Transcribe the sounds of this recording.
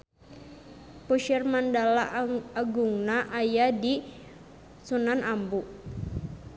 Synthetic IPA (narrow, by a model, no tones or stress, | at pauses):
puʃɛrmandalaːɡuŋnaʔajadi | sunanʔambuʔ